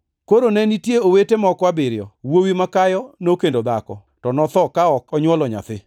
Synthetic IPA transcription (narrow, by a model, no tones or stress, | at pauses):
koɾonɛnitjeowetemɔkwabɪɾjɔwowimakajɔnokendod̪akɔ | tɔnɔt̪ɔkaɔkɔɲwɔlɔɲa̰t̪ɪ